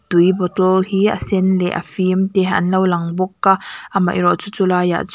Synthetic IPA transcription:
d̪̥ujbɔt̪ɔlhiːɐ̰sɛnlɛ̰ʔɐ̰fimt̪ɛɦaʔɐnlɐwlɐŋbɔkːaʔamɐ̰jrɔʔt͡sut͡sulaːja̰ʔt͡s

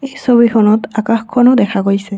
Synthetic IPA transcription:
ejsobixʰɔnɔtakaxkʰːɔnɔdɛkʰaɡojsɛ

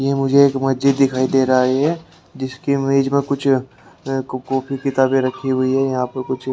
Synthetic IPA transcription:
jemʊd͡ʒʱeeːkmɐsd͡ʒɪd̪ːɪkʰaːid̪eːɾaɦaɦɛ | d͡ʒɪskimeːd͡ʒmẽkʊt͡ʃʰ | koːpʰikɪt̪aːbẽɾɐkʰːiɦʊiɦɛjɐɦãːpɐɾkʊt͡ʃʰ

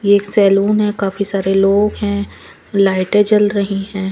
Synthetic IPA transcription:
jeːksɛːluːnɦɛ̃kaːfisaːɾeloːɡɦɛ̃ː | laːɪʈed͡ʒɐlɾɐɦiɦɛ̃ː

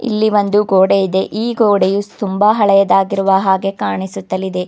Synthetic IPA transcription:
ḭlːiʋond̪uɡoːɽejid̪e̞ʔiːɡoːɽejut̪umbaɦɐɭɐjɐd̪aːɡiɾuʋɐɦaːɡe̞kaːɳisut̪ːɐlːid̪e̞

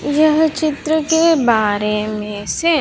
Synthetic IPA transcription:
jəɦt͡ʃɪt̪ɾəkebaːɾemẽse

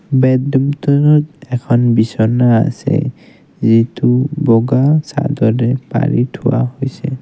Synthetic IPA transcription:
bɛdumtɔnɔtɛkʰɔnbisɔnaa̰sɛ̰ | zitubɔɡasa̰dɔdɛpa̰ɹitʰʊwahojsɛ

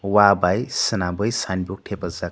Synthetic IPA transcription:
wabajsənabəjsanbok̚ʈʰepəza

